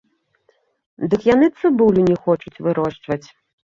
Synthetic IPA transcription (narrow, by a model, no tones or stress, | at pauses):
d̪ɨkjanɨt̪sɨbulʲunʲɛxɔt͡ʂut͡sʲvɨɾɔʂt͡ʂvɐt͡sʲ